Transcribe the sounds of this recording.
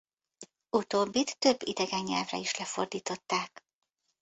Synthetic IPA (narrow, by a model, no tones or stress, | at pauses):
ut̪oːbːit̪ːø̞bːid̪ɛɡɛɲːɛ̰lvrɛ̰iʃlɛfo̞rd̪iːt̪o̞t̪ːaːk